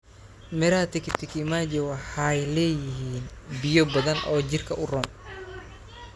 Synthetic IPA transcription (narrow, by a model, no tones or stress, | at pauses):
mɛɾaːt̪ɪkɪt̪ʰɪkʰɪmad͡ʒɛwɑħɑɛjlɛːjɪɦiːnbɪjɔbɐðɐnʔɔːt͡ʃɪrkʰɐʔʊrɔːm